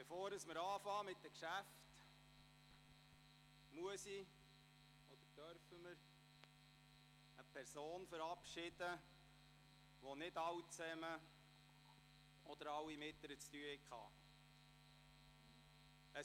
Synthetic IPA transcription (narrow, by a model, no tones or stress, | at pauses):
befoːɾəsməɾɑːfɑːmɪt̚dəkʃæft | muəsi | ɔd̪̥əɾd̥œɾfəməɾ | əpʰɛɾsoːnfəɾɑpʃɪd̥ə | ʋonɪdɑwt͡sɛmə | ɔd̥̪əɾɑwːimɪtləɾət͡st̪yəhɪkχɑ̰ː | ə